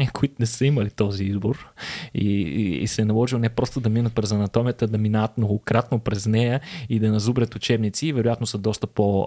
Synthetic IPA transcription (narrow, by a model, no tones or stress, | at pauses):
niəkoit̪ʊnɛsəiməlit̪ɔziizboɾḭsɛnɐlˠɔʒilˠnɛpɾɔst̪od̪ɐminət̪̚pɾɛzɐnɐt̪ɔmijət̪əd̪ɐminaət̪mnoɡokɾat̪nopɾɛznɛjəid̪ɐnɐzubɾʲət̪ʊt͡ʃɛbnit̪siːvɛɾojat̪nosəd̪ɔst̪əpo